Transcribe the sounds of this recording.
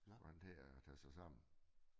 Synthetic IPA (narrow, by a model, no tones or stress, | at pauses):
ʁɑnd̥heːt͡sʰæsɑ̈ɪsɑ̈m̰n̩